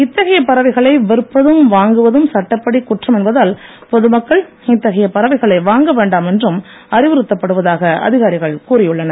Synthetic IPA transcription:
ɪt̪ːɐɣɐjɐpɐɾɐʋɐɪɣɐɭɐɪʋɛɾɯpːɐðɯmʋaːŋɡɯʋɐðɯmsɐʈːɐpːɐɽikːʊʈrɐmɛnbɐðaːl | pɔðɯmɐkːɐɭ | ɪt̪ːɐɣɐjɐpɐɾɐʋɐɪɣɐɭɐɪʋaːŋɡɐʋeːɳɖaːmɛndrɯm | ɐrɪʋɯɾɯt̪ːɐpːɐɽɯʋɐðaːɣɐɐ̰ðɪɣaːɾɪɣɐɭkuːrɪjɯɭːɐnɐ

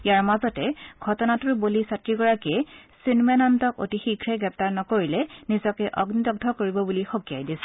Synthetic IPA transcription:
ijaɹmazɔtɛɡʱɔtɔnatuɹbolisatɹiɡɔɹakɛsinmɛnantɔko̰tixikʰɹɛɡɹɛp̚taɹnɔkoɹilɛnizɔkɛʔɔɡnitɔɡ̚dʱɔkoɹibɔbulixokija̰jdisɛ̥

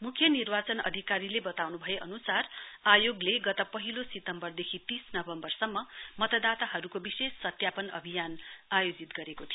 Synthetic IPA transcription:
mukʰːjʌnirbat͡sʌnʌ̰d̪ʱikaɾilebʌt̪awnubʱʌjeʔʌnusarajoɡleɡʌt̪ʌpʌɦilosit̪ʌmbʌrd̪ekʰit̪isnʌbʌmbʌrsʌmːʌmʌt̪ʌd̪at̪aɦʌɾukobisesːʌt̪japʌnʌ̰bʱijanajod͡zit̪ɡʌɾekot̪ʰijo

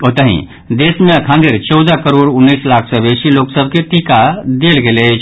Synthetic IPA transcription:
ot̪əɦḭ̃ | d̪esmeəkʰãnd̪iɾt͡ʃɔʊd̪akəɾoːɾʊnːislakʰsəbesiloksəbʱket̪ikad̪elɡelet͡ʃʰ

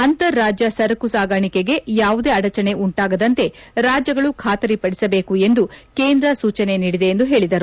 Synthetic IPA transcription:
ɐnt̪ɐɾːaːd͡ʒjɐsɐɾɐkusaːɡɐɳikeɡe̞jaːʋud̪e̞ːɐɽɐt͡ʃɐne̞uɳʈaːɡɐd̪ɐnt̪e̞ɾaːd͡ʒjɐɡɐɭukʰaːt̪ɐɾipɐɽisɐbe̞ːkue̞nd̪ukeːnd̪ɾɐsuːt͡ʃɐne̞niːɽid̪e̞ːnd̪uɦe̞ːɭid̪ɐɾu

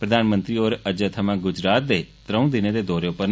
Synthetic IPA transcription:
pɾəd̪aːnmə̃nt̪ɾiːoːɾəd͡ʒət̪ʰəmãːɡʊd͡ʒɾaːt̪̚d̪eːt̪ɾəũːd̪ɪneːd̪eːd̪oːɾeːʊpəɾn

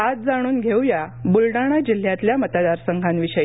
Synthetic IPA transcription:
ad͡z̚d͡zaɽ̃uːnɡʱewjabulɽaɽ̃ad͡ʑil̤ːjãt̪ljamət̪ad̪aɾsəŋɡʱanʋiɕəj

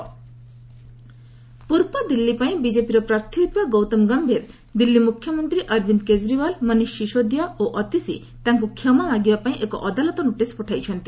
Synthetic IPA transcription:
puɾpɔd̪ilːipaĩbid͡ʒepiɾɔpɾaɾt̪ʰiid̪̚baɡɔwt̪ɔmɡambʱeɾ | d̪ilːimukʰjɔmɔnt̪ɾiʔʌɾbind̪ked͡ʒɾibalmʌniʃːiʃod̪jaoʔɔt̪isḭ | t̪aŋkukʰjɔmabaɡibapaĩʔekɔ̰ʔɔd̪alɔt̪ɔnuʈespɔʈʰajt͡ʃʰɔnt̪i

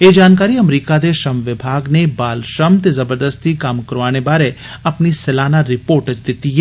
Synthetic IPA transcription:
eːd͡ʒaːnkaːɾiɐmɾiːkad̪eʃɐmʋɪbʱaːɡnebaːlʃəmt̪ezɐbəɾd̪əst̪ikaːmkɐɾʋaːñebaːɾe | ɐpnisɛlaːnaɾɪpoːɾʈəd͡ʒd̪ɪt̪iɦɛː

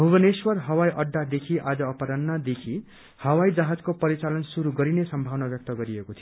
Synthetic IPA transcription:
bʱubʌneswʌrɦʌwajʔʌɖːad̪ekʰiʔad͡zʌːpʌɾʌnːad̪ekʰi | hʌwaid͡zaɦad͡zkopʌɾit͡salʌnsuɾuɡʌɾinesʌmbʱawnabjʌk̚t̪ʌɡʌɾiekot̪ʰio

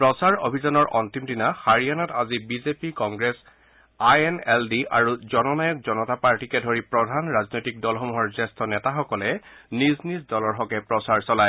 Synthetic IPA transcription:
pɹɔsaɹo̰bʱizanɔɹʔɔntimdinaxaɹijanatazibizepikɔŋɡɹes | ajɛnɛldiʔaɹuzɔnɔnajɔk̚zɔnɔtapaɹtikɛdʱoɹipɹɔdʱanɹaznojtik̚dɔlxɔmɔɦɔɹzɛstʰɔnɛtaxɔkɔlɛniznisdɔlɔɹxɔkɛpɹɔsaɹsɔlaj

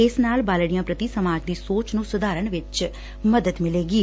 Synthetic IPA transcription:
ɪsnaːlbaːlɽijãːpɾət̪iːsəmaːd͡ʒd̪iːsoːt͡ʃnũːsʊd̪aːɾəɳʋɪt͡ʃ | məd̪əd̪mɪleːɡiː

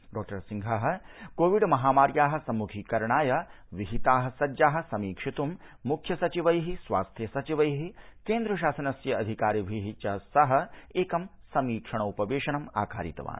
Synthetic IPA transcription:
ɖɔːk̚ʈɐɾsiŋɡʱaɦɐ̆koːʋiɖmɐɦaːmaːɾjaːɦɐ̆sɐmːukʰikɐɾɳaːjɐ | ʋiɦit̪aːɦɐ̆sɐd͡ʒaːɦɐ̆sɐmiːkʂit̪umːukʰjɐsɐt͡ʃiʋɐjɦisʋa̰ːst̪ʰjɐsɐt͡ʃiʋɐjɦikeːnd̪ɾɐʃ̬aːsɐnɐsjɐɐd̪ʱikaːɾibʱiɦit͡ʃɐsɐɦɐ̆eːkɐmsɐmiːkʂɐɳ̃ɐupɐʋeːʃɐnɐma̰ːkʰa̰ːɾḭt̪ɐ̰ʋa̰ːn

